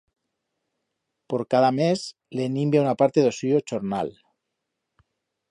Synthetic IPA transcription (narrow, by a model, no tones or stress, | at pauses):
poɾkaðames | lenimbjaunapaɾt̪eðosiot͡ʃoɾna̰l